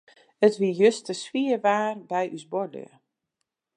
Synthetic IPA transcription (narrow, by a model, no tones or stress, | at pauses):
ətʋijøstəswiəʋaːrbɛjʔysbɔdlḭə